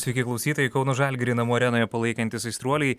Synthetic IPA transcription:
sʲʋʲɛɪkʲɪklˠɐʊsʲiːt̪oːjɛɪkɒʊnoʒɑlʲɡʲɾʲɪnɐmoːɾʲɛnoːjɛpɐlˠɐɪkɐnʲt̪ʲɪsɐɪst̪ɾuɔlʲɛɪ

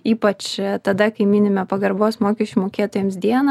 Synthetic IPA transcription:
iːpɐt͡ʃt̪ɐd̪ɐkɐɪmʲiːnʲɪmʲɛpɐɡɐɾboːsmoːkʲɛʃʲt͡ʃʲumoːkʲeːt̪oːjɛmsd̪ʲiɛnɐ

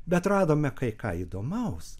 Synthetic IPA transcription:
bʲɛt̪rɑːd̪oːmʲɛkɐɪkɑ̰ːid̪oːmɛʊs

